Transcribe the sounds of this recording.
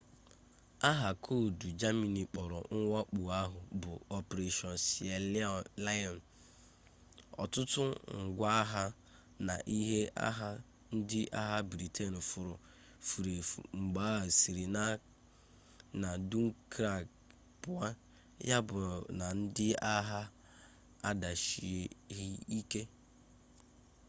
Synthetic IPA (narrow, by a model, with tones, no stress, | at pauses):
a˦ɦa˨kʰo˦˨du˨d͡ʒa˦mi˨ni˨k͡pɔ˨ɾɔ̰˨ŋ̩˦ŋa˦k͡pu˨a˦ɦʊ˨bʊ˨ɔ˨pe˨ɾe˨ʃɔ˨n˨si˨e˨lla˦jɔ˨n̩˨ | ɔ̰˨tʊ˦tʊ˦ŋ̩˨ɡʷa˦a˦ɦa˦ | na̰˨ʔi˦ɦe˦a̰˦ɦa˦ | n̩˦dɪ˦ʔa˦ɦa˦bɾi˨tʰe˦nʊ˨fʊ˨ɾʊ˨ | fu˨ɾe˨ŋ͡m̩˨ɡ͡ba˦a˨si˨ɾi˨na˦ | na˨du˦ŋ̩˦kɾa˦˨ɡ | pʊ˨a˦ | ja˦bʊ˨na˨n̩˦dɪ˦a˦ɦa˦ | a˦da˨ʃi˨e˨ɣɪ˦i˦ke˦